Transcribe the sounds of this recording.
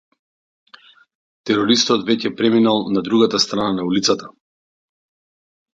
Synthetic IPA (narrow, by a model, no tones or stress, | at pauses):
t̪ɛɾɔɾist̪ɔdt̪vɛcɛpɾɛminalˠnad̪ɾuɡat̪ast̪ɾananaulit̪sat̪a